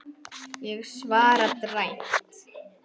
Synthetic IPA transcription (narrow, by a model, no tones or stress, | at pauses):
jɛɣsvaːɾat̪rajn̥t̪